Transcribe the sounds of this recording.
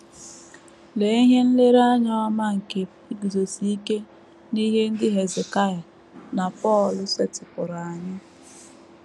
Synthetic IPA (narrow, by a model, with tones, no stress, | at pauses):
le˨˦i˦ɦe˦n̩˦le˦ɾa˦ɲɔ˦a˦ma˦ŋ̩˨ke˨˦i˦ɡzo˨si˦i˦ke˦ | ni˦ɦe˦n̩˦dɪ˦ɦe˨ze˨ka˦˨ja˨ | na˨pɔ˦˨lʊ˨se˦tɪ˨pʊ˨ɾa˨a˨ɲɪ˦